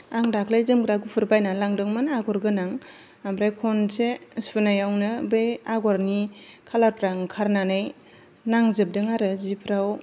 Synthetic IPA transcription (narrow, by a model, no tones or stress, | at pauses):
aŋdakʰlajzɯmɡɾaɡupʰɯɾbajnalaŋdɯŋmɯnaɡɔɾɡɯnaŋ | ambɾajkʰɔnsesunajawnɯbejaɡɔɾnikʰalaɾpɾaŋkʰaɾnanɯj | naŋzɯp̚dɯŋaɾɯzipʰɾaw